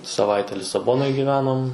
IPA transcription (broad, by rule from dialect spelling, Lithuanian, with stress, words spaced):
sɐˈʋɐɪtʲɛ lʲɪsɐˈboːnoːj ɡʲiːˈʋʲæːnoːm